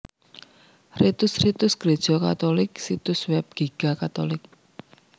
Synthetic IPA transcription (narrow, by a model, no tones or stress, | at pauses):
rit̪ʊsrit̪ʊsɡ̥ɾed̥ʒ̥ɔka̰t̪olɪksit̪ʊswɛp̚ɡ̥eɡ̥akat̪olɪk̚